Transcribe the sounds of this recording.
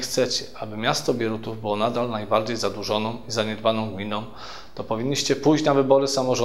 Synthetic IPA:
xt̪sɛt͡ɕɛʔabɘmʲjast̪ɔbʲjɛɾut̪uvbɘwɔnad̪alnajbaɾd͡ʑejzad̪wuʐɔnɔ̃w̃izaɲɛd̪banɔ̃w̃ɡmʲinɔ̃w̃ | t̪ɔpɔvʲiɲʲːiɕt͡ɕɛpujt͡ɕnavɘbɔɾɘsamɔʐɔ

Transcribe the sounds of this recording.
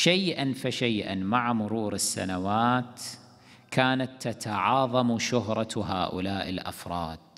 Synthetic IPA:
ʃajʔanfaʃeːʔa̰nmaʕamʊɾuːɾɪsːa̰nawaːt̪ | kʰaːnat̪ːat̪aʕɑːðˤɑmuʃʊɦɾˤɑɦa̰ːʔʊ̰laːʔɪ̰lʔa̰fɾˤɑ̰ːd̪̥̚

